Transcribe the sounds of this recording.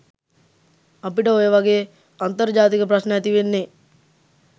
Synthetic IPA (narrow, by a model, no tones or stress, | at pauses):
apiʈəojəʋaɡej | ant̪əɾd͡ʒaːt̪ikəp̬ɾɐsnəjat̪iʋenːe